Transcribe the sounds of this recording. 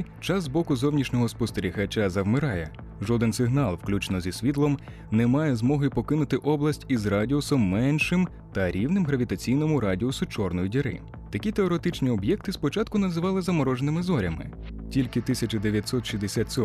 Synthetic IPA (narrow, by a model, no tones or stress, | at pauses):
t͡ʃɑzzbɔkʊzɔwnʲiʃnʲɔɦɔspɔst̪eɾʲixɐt͡ʃazɐwmɪɾɑjɛ | ʒɔd̪ɪnsɪɦnɑlˠwklʲut͡ʃnɔzʲisʲʋʲit̪lˠɔm | nemɑjɛzmɔɦɪpɔkɪnʊt̪ɪʔɔblˠɐsʲtʲizrɑdʲiɔsɔmːɛnʲʃɪm | t̪ɐɾʲiwnɪmɦɾɐʋʲit̪ɐt͡sʲijnɔmʊɾɑdʲiɔsʊt͡ʃɔrnɔjidʲiɾɪ̰ | t̪ɐkʲit̪eɔɾet̪ɪt͡ʃnʲiɔbjɛk̚t̪ɪspɔt͡ʃɑt̪kʊnɐzɪʋɑlˠɪzɐmɔɾɔʒenɪmɪzɔɾʲɐmɪ̰ | tʲilʲkɪt̪ɪsʲɐt͡ʃɐd̪eʋʲjɐt̪ʲsɔt̪ʃʲizd̪esʲat̪ʲsʲɔ